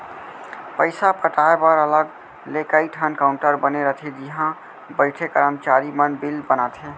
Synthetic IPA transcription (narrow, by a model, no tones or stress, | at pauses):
pəɪsapəʈaepəɾələɡ | lekaiʈʰənkaʊ̃ɳʈəɾbəneɾət̪ʰed͡ʒiɦã | bəɪʈʰekəɾəmt͡ʃaɾimənbilbənat̪ʰe